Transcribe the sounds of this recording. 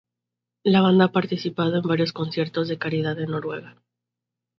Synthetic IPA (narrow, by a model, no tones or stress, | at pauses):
laβand̪aapaɾt̪isipað̞o̞embaɾjo̞sko̞nsje̞ɾt̪o̞zðe̞kaɾiðaðeno̞ɾwe̞ɣa